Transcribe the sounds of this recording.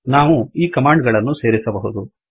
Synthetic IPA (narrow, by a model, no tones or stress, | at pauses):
naːʋuiːkɐmaːɳɖɡɐɭɐnːuse̞ːɾisɐbɐɦud̪u